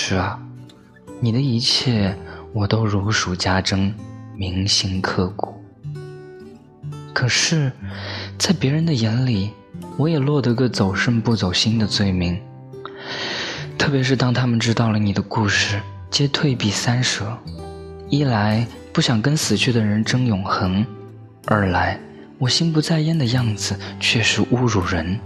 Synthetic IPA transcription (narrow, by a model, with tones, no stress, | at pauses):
ʂɻ̩˥˩ɐ˩ | ni˨˩d̪ə˦i˧˥t͡ɕʰjɛ˥˩wɔ˨˩t̪o˥ʊɻu˧˥ʂu˨˩t͡ɕja˥ʈ͡ʂɤ˥ŋmi˧˥ŋɕi˥ŋkʰɤ˥˩ku˨˩˦ | kʰɤ˨˩ʂɻ̩˥˩ | t͡sa˥˩ɪpjɛ˧˥ɻə˧˥nd̪ə˧jɛ˧˥nli˨˩ | wɔ˧˥jɛ˨˩lwɔ˥˩d̪ə˧˩i˧˥ɡə˧t͡so˨˩ʊʂə˥˧ŋpu˥˩t͡so˨˩ʊɕi˥nd̪ə˨t͡swe˥˩ɪmi˧˥ŋ | t̪ʰɤ˥˩pjɛ˧˥ʂ̬ɻ̩˥˩t̪ɑ˥ŋt̪ʰa˥mə˨nʈ͡ʂɻ̩˥t̪ɑ˥˩ʊlə˩ni˨˩d̪ə˦ku˥˧ʂɻ̩˥˩ | t͡ɕjɛ˥t̪ʰwe˥˧ɪpi˥˩sa˥nʂɤ˧˥ | i˥˩la˧˥ɪ | pu˥˩ɕjɑ˨˩ŋkə˥nsɹ̩˨˩t͡ɕʰy˥˩d̪ə˩ɻə˧˥nʈ͡ʂɤ˥ŋjʊ˨˩ŋxɤ˧˥ŋ | ə˞˧˥la˧˥ɪ | wɔ˨˩ɕi˥npu˧˥t͡sa˥˧ɪɛ˥˩nd̪ə˨˧jɑ˥˩ŋd͡zɹ̩˨˩t͡ɕʰɥɛ˥˩ʂɻ̩˧˥ʔu˥ɻu˨˩ɻə˧˥n